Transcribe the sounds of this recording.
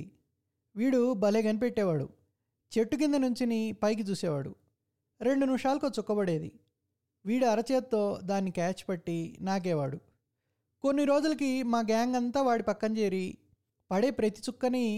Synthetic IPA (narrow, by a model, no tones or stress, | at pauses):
ʋiːɽubɐleːɡɐnipeʈːɛːʋaːɽṵ | t͡ʃeʈːuk̬ind̪ɐnuɲt͡ʃinipɐjk̬it͡ʃ̪uːsɛːʋaːɽṵ | ɾe̞ɳɖunimʂaːlɐkoːt͡ʃukːɐbɐɽe̞ːd̪ḭ | ʋiːɽuɐɾɐt͡ʃeːt̪t̪ːo̞ːd̪aːnːikaːt͡ʃpɐʈːinaːɡ̬ɛːʋaːɽu | ko̞nːiɾoːd͡ʒulɐkimaːɡaːŋɡɐnt̪aːʋaːɽipɐkːɐnt͡ʃeːɾi | pɐɽeːpɾɐt̪i̥t͡ʃukːɐni